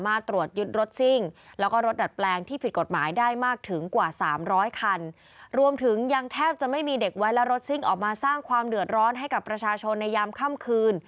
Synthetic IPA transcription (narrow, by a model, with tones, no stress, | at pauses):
maː˥˩t̪ːɾu˨˩ət̪̚jɯ˦˥t̪̚ɾo˦˥t̪̚si˥˩ŋlɛ˦˥wkɔː˥˩ɾo˦˥t̪̚da˨˩t̪̚plɛː˧ŋt̪ʰiː˥˩pʰi˨˩t̪̚ko˨˩t̪̚maː˩˦jdaː˥˩jmaː˥˩k̚t̪ʰɯ˩˦ŋkwaː˨˩saː˩˦mɾɔː˦˥jkʰa˧n | ɾu˧əmt̪ʰɯ˩˦ŋja˧ŋt̪ʰɛː˥˩p̚t͡ɕa˨˩ʔma˥˩jmiː˧de˨˩k̚wa˦˥jlɛ˦˥ɾo˦˥t̪̚si˥˩ŋʔɔː˨˩k̚maː˧saː˥˩ŋkʰwaː˧mdɯ˨˩ət̪̚ɾɔː˦˥nɦa˥˩jka˨˩pːɾa˧t͡ɕʰaː˧t͡ɕʰo˧nːa˧jːaː˧mkʰa˥˩mkʰɯː˧n